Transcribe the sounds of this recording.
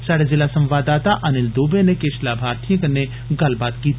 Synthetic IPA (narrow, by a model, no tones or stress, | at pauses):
saːɽezɪlasɐ̃mʋaːd̪aːt̪aʔɐnɪld̪oːbenekeːʃlaːbʱaːɾt̪ijə̃kəne | ɡɐlbaːt̪̚kiːt̪